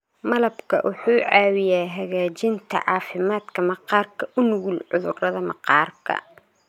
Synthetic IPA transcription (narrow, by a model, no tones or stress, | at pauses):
mɐlɐbkʰɐ̰ʔʊħuːʕɑːwɪjaːɦɐɣaːt͡ʃɪnt̪ʰɐ̰ʕɑːfɪmaːd̪kʰɐmɐqɑːrkʰɐʔʊnʊɣulʕʊðʊ̰rɐðɐmɑ̰qɑːrkʰɐ̰